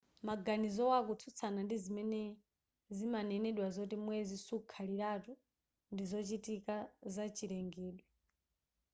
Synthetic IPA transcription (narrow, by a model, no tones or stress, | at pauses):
maɡanizɔwakut͡sʰut͡sʰanandizimɛnɛ | zimanɛnɛɗwazotimwɛzisukʰalitatu | ndizɔt͡ʃitikazat͡ʃʰiɾɛŋɡɛːɗwɛ